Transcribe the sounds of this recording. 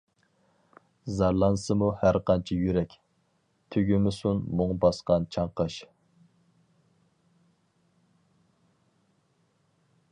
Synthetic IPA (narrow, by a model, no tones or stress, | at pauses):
zɑɾlˠɑnsɨmuhæɾqʰɑnt͡ʃʰijyɾɛkʲ | t̪ʰøɡʲymɪsunmuŋbɑsqɑnt͡ʃʰɑɴqɑʃ